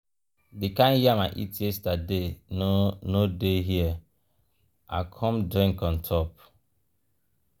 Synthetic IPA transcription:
dekãnjiamaʔḭtiestadenonodeɦiɛ | a̰kʰɔmdɾĩŋkɔ̃ntʰɔp̚

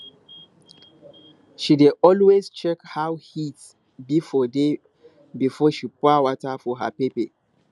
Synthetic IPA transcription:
ʃideɔlwezt͡ʃɛkhawhit | bifɔde | bifɔʃipɔawɔtafɔɦa̰pepe

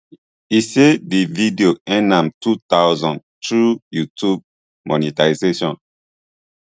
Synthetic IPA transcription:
isedividioɛ̃nãmtutawzɔ̃n | tɹujutʰub̚ | mɔnitaizeʃɔ̃n

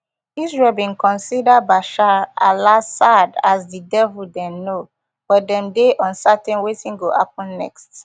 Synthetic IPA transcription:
isɹɛlbĩnkɔ̃nsidabaʃaalasadasdidɛvuldɛ̃mno | wɛdɛ̃mdeʔɔ̃nsatɛ̃nwetĩnɡoʔa̰p̚ɔ̃nːɛ̰kst

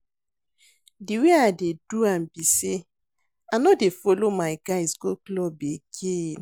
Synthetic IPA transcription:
diweadeduambise | anɔdefolomaɪɡaɪsɡoklɔbeɡen

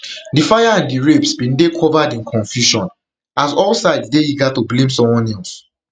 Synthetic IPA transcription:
difajaãndiɹepsbĩndekʰɔvadĩnkʰɔ̃ɱfjuʃɔ̃n | azɔlsaɪddeiɡatublẽms̬ɔ̃mwɔ̃nɛls

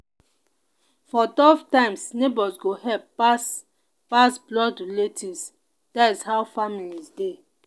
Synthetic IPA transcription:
fɔtɔvtãɪ̃msnebɔsɡohɛlp̚ːas | pasblɔdletʰis | d̥atishawfamilizde

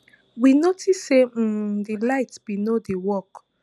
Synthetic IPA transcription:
winotʰisedilajtbinodewɔk

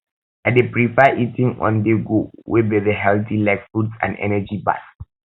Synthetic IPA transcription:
adepɹipɛʔitĩŋɔ̰̃ndeɡowʔebɛðeɦɛltilajkfudsã̰nɛ̰nɛd͡ʒiba̰s

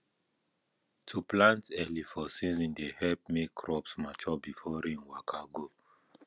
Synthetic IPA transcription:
tʰuplãntɛlifɔsĩzĩndehɛlpmekʰːɹɔpsmat͡ʃɔbifɔɾĩnwakʰaɡo

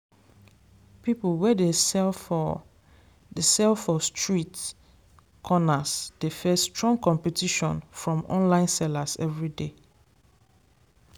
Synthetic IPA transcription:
piplwɛde | desɛlfɔstɹit | kʰɔnasd̥efɛstɹɔ̃ŋkɔ̃mpɛtiʃɔ̰̃nfɹɔ̃mɔ̰̃nlãɪ̃nsɛlasɛvɹide

